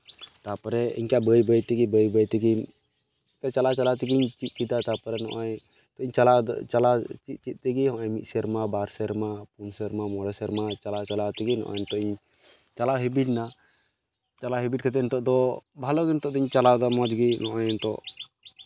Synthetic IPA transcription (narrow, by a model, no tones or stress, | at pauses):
t̪apɔɾɛḭɲkabəjbəjt̪ɛɡibəjbəjt̪ɛɡi | pɛt͡ʃalat͡ʃalat̪ɛɡiɲt͡ʃit̪̚kid̪at̪apɔɾɛnɔ̰ʔaj | t̪ɔiɲt͡ʃalat͡ʃalat͡ʃit̪̚t͡ʃit̪̚ˀt̪ɛɡihɔ̃ʔɔɲmit̪̚sɛɾmabaɾsɛɾmapunsɛɾmamɔɽɛsɛɾmat͡ʃalat͡ʃalat̪ɛɡinɔ̰ʔɔ̰jnt̪ɔiɲ | t͡ʃalaɦɛbiɖna | t͡ʃalaɦɛbiʈ̚kat̪ɛnt̪ɔʔd̪ɔbʱalɔɡɛnt̪ɔʔd̪ɔiɲt͡ʃalad̪ɔmɔd͡ʒɡinɔʔajnt̪ɔ̰ʔ